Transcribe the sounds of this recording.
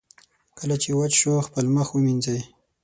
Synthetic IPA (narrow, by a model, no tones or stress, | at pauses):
kəlat͡ʃewat͡ʃʃoxpəlməxwəminzaj